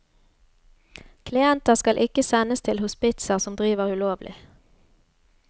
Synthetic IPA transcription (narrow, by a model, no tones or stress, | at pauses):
kʰlɪɛnt̪əʁskɑlʔɪkəsɛnəst̪ʰɪlhʊspɪt̪səʁsɔmd̪ʁiːʋəʁʉloːʋlʔɪ̰